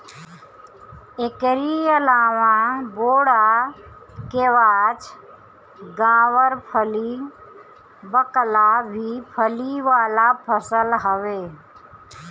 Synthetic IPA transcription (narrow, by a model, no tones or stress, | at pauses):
ekɾiəlaːʋãboːɽa | keːʋaːt͡ʃ | ɡãːʋəɾpʰəli | bəklabʱipʰəliʋaːlapʰəsəlɦəʋeː